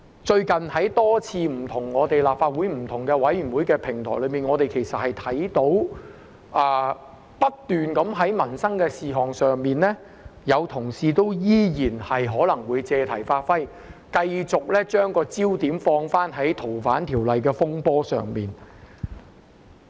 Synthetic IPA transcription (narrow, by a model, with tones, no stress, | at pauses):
t͡ʃɵ˧ɥkɐ˨nhɐ˨˥jt̪ɔː˥t͡sʰiː˧m̩˨˩t̪ʰʊ˨˩ŋːɔː˨˧t̪e˨jlaː˨p̚faː˧t̚wuː˨˥jm̩˨˩t̪ʰʊ˨˩ŋkɛː˧wɐ˨˥jjy˨˩nwuː˨˥jkɛː˧pʰɪ˨˩ŋt̪ʰɔː˨˩jlɵ˨˧ɥmiː˨nŋɔː˨˧t̪e˨jkʰe˨˩jsɐ˨t̚hɐ˨jt̪ʰɐ˨˥jt̪o˨˥w | ʔaː˨˩ | pɐ˥t̚t̪yː˨nkɐ˨˥mɦɐ˨˥jmɐ˨˩nsɐ˥ŋkɛː˧siː˨ɦɔː˨ŋsœː˨ŋmiː˨nlɛː˥ | jɐ˨˧wt̪ʰʊ˨˩ŋsiː˨˧t̪o˥wjiː˥jiː˨˩nhɐ˨jɦɔː˨˥lɐ˨˩ŋwuː˨˧jt͡sɛː˨˧t̪ʰɐ˨˩jfaː˧t̚fɐ˥j | kɐ˧jt͡sʊ˨k̚lɛː˥t͡ʃœː˥ŋkɔː˧t͡siː˥wt̪iː˨˥mfɔː˧ŋfaː˥nɦɐ˨˥jt̪ʰo˨˩wfaː˨˥nt̪ʰiː˨˩wlɐ˨jkɛː˧fʊ˥ŋpɔː˥sœ̰ː˨ŋmiː˨˩n